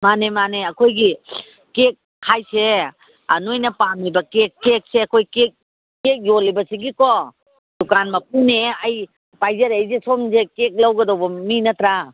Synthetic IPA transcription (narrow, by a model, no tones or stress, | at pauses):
manemaneɐkʰojɡi | kek̚ | hʰajse | ɐnojnɐpamibɐkekːek̚seɐkʰojkek̚ː | ek̚jolibɐsiɡikɔ | d̥ukanmɐp̚uneɐj | pajzɐɾejzesomzekek̚lɐwɡɐdawbɐminɐtɾa